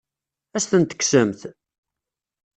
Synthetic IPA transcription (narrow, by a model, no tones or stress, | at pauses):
æsθənt̪ə̥ksəmθ